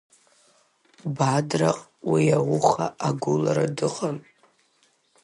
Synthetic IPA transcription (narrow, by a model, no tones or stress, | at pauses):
badraqʼ | wiawʊχa̰ʔaɡʷʊlaɾadɨqʼam